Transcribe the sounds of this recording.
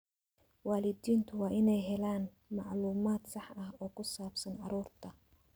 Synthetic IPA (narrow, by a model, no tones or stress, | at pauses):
waːlɪd̪iːnt̪ʰʊwɑːʔɪnɛjɦɛlaːn | mɑʕluːmaːd̪sɑħɐɦɔːkʰʊsaːbsɐnɑɾuːrt̪ʰɐ